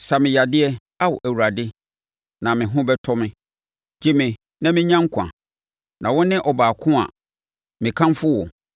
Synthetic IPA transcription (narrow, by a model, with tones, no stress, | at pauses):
sa˨mɪ̃˨ja˨dɪ˦ɛ˦ | a˦wɔ˨ʔæ˨wu˨ɾa˨dɪ˦ | nã˨mɪ̃˨ɦʊ̃˦bɛ˦tʰɔ˦mɪ̃˦ | d͡ʑi˦mɪ̃˨ | nã˦mɪ̃˦ɲã˦ŋ̩˦kʷʰã̰˨ | nʔã˨wɔ̃˦nɪ̃˦ʔɔ˨baː˨kʰʊ̃˦a̰˨ | mɪ̃˨kʰã˦mfʊ˦wɔ˨